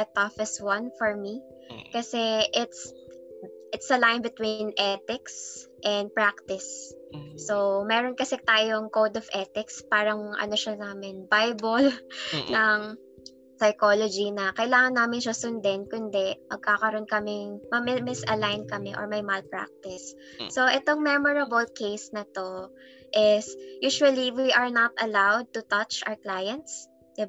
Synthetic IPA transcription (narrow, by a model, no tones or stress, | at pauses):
ɛt̪ɔfɪswɐnfɔɹmi | kɐsɛʔɪt̪s | ʔɪt̪sɐlajnbɪt̪winʔɛt̪ɪks | ʔɛnd̪̚pɹak̚t̪ɪsː | owmɛːɾonkɐsɛt̪aːjoŋkowd̪ɔvʔɛt̪ɪkspaːɾɐŋʔɐ̰noʃɐnaːmɪnbajbolnɐŋ | sɐjkolod͡ʒinɐkɐɪlaːŋɐnːaːmɪnʃɐsʊnd̪ɛnkʊnd̪ɛmɐɡ̚kaːkɐɾo̞nkɐmɪŋmɐmɪmɪsɐlajnkɐmɛʔo̰ɹmɐjmɐlpɹa̰k̚t̪ɪsː | oʔɛt̪oŋmɛmɔɹɐbolkejsnɐt̪o̞ | ʔɪsjuːʃuɐliwiʔɐɹnɐt̪̚ɐlawd̪̚t̪ʊt̪ɐt͡ʃʔa̰wɹklajɐnt̪s | d̪ɪba